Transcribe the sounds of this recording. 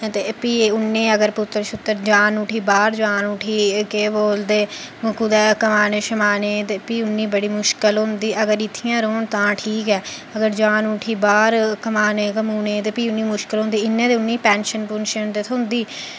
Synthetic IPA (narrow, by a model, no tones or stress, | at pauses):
t̪eːpiːʊnːẽːəɡəɾpʊt̪ːɾʃʊt̪ːəɾd͡ʒaːnuːʈʰiːbaːɾd͡ʒaːnuːʈʰiːkeːboːld̪eːkʊd̪ɛːkəmaːneːʃəmaːneːt̪eːpiːʊnːiːbəɽiːmʊʃkəlɦʊ̃nd̪iːʔəɡəɾɪt̪ʰːijãːɾoːɳt̪ãːʈʰiːkɛːəɡəɾd͡ʒaːnuːʈʰiːbaːɾkəmaːneːkəmuːneːt̪eːpiːʊnːiːmʊʃkəlɦõnd̪iːɪnːẽːd̪eːʊnːiːpɛːnʃənpʊnʃənd̪et̪ʰʊnd̪iː